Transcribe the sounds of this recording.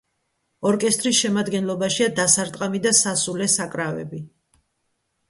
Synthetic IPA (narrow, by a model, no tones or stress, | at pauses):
ɔɾkʼɛst̪ʼɾisʃɛmad̪ɡɛnlˠɔbaʃiad̪asaɾt̪ʼqʼamid̪asasulɛsakʼɾavɛ̰bi